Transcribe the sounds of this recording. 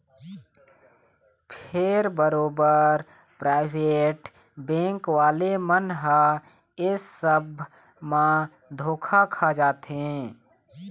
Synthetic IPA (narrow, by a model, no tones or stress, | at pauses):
pʰɪɾbəɾoːbəɾ | pɾaːɪʋeːʈ | bɛ̃ːŋkwaːlemənɦa | ɪsːəbʱ | mã | d̪ʱoːkʰakʰad͡ʒaːt̪ɦɛ̃ː